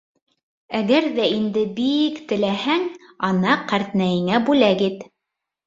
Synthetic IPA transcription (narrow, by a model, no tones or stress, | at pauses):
æɡæɾðæind̪ɘbikt̪ɘ̆læhæŋ | ɑnɑqæɾt̪næjɘ̆ŋæbʉlæɡit̪